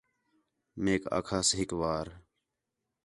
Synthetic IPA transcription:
meːka̰ːkʰaːsɦɪkʋaːɾ

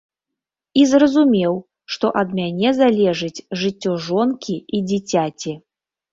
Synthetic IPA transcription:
izrɐzumʲɛw | ʂt̪ɔʔɐd̪mʲanʲɛzalʲɛʐɨt͡sʲʐɨt͡sʲːɔʐɔnkʲiʔid͡zʲit͡sʲat͡sʲi

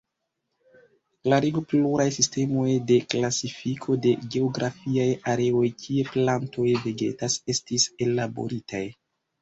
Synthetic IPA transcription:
laɾiɡopluɾajsiste̞mo̞jde̞klasifikʰo̞de̞ɡe̞oɡɾafiajaɾe̞o̞jkʰie̞plantʰo̞jveɡe̞̰tase̞stise̞labo̞̰ɾitaj

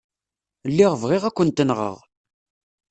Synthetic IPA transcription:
lːiʁvʁɪʁækʷːənt̪ːənʁə̰ʁ

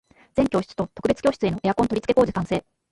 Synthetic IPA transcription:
d͡z̥eŋkʲo̞ːɕi̥t͡sɨ̥t̪o̞t̪o̞kɯ̟be̞t͡sɨ̥o̞ːɕi̥t͡sɨe̞no̞ʔejakõ̞nt̪oɾʲi̥t͡sɨ̥ke̞ko̞ːd͡ʑikãɰ̃se̞ː

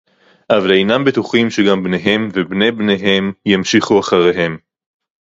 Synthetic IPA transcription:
ʔavalejnambet̪uχimʃeɡambne̞ɦe̞mvebne̞jbneɦe̞mjemʃiχuaχaʁeɦe̞m

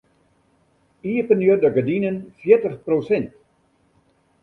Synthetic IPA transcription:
iəpənjørdəɡədinənfjɪətəχprosɛnt

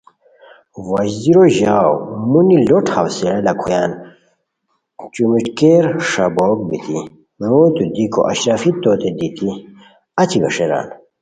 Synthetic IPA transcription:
wad͡ʑd̪iɾoʑaːwmuniloʈʰawsiɾɐlɐkʰujaːn | t͡ɕumiʈkeɾʂaboːk̚bit̪ʰi | ɾoːt̪ud̪iko̰ʔɐɕɾaːfit̪oːt̪ed̪it̪i | ɐt͡ɕʰibɐ̰ʂeɾa̰ːn

